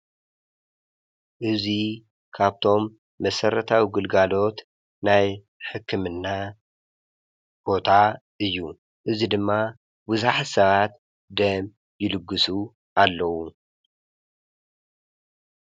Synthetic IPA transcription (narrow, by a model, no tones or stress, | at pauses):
ʔɨzi | kʰaβt̪ʰo̞mː | ɐsɐɾɐt̪ʰawiɡɨlɡalo̞t̪ | naj | ħɨkʰːɨmɨnːa | b̥o̞t̪ʰaʔɨjːu | ʔɨzid̪ɨmːa | bɨzaħasɐβat̪ | d̪ɐm | jɪlɨɡːɨsu | ʔalːɐwu